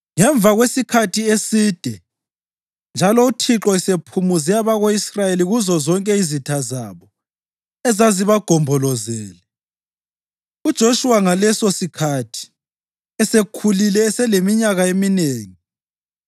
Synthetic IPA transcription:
ŋɛɱb̪vʱaɣwesikʰatʰiesiːd̥ʱɛ | nd͡ʒʱalɔutʰiǁɔisepʰumuzɛaβaɣoisrajeliɣuzɔzɔŋkʼɛizitʰaza̰βɔ | ɛzaziβaɡ̥ʱɔmbʱɔlɔzɛːlɛ | ud̥ʒ̥ʱoʃuwaŋalɛsosikʰatʰi̥ | ɛsekʰulilɛːsɛlemiɲaɣaemineːŋi

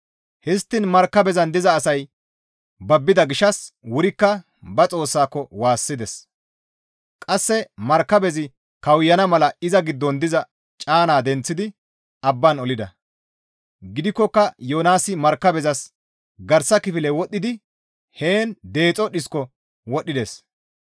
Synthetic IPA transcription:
hɛst̪ːɪnmɐɾkːɐbɛzɐnd̪ɪzɐːsɐj | bɐbːɪd̪ɐɡɪʃɐswʊɾɪkːɐ | bɐt͡sʼo̞ːsːaːkːɔwaːsːɪd̪ɛs | kʼɐsːɛmɐɾkːɐbɛzɪ | kɐwjːɐnɐmɐlɐɪzɐɡɪd̪ːɔnd̪ɪzɐ | t͡ʃʼaːnaːd̪ɛnt͡sːɪd̪ɪ | ɐbːɐnɔlɪd̪ɐ | ɡɪd̪ɪkːɔkːɐjoːnaːsɪmɐɾkːɐbɛzɐs | ɡɐɾsːɐkɪfɪlɛwɔɗːɪd̪ɪ | he̞ːnd̪e̞ːt͡sʼɔɗɪskɔ | wɔɗːɪd̪es

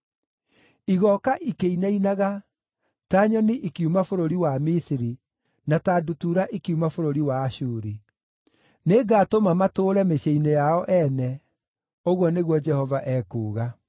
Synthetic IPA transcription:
iɣɔkaʔikeinainaɣa | taɲɔniʔikiumafoɾoɾiwamisiɾi | nataːdutuɾaʔikiumafoɾoɾiwaːɕuːɾi | neɡaːtomamatoːɾɛmeɕeinejaɔʔɛnɛ | oɣwɔneɣwɔd͡ʒɛhɔvaʔɛːkuːɣa

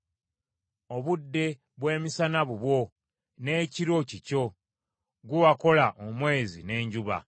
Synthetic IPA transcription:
o̞βudːe̞ | βwe̞ːmisanaβuβwo̞ | ne̞ːciɾo̞cico̞ | ɡuwako̞laʔomwe̞ːzine̞ːɲɟuβa̰

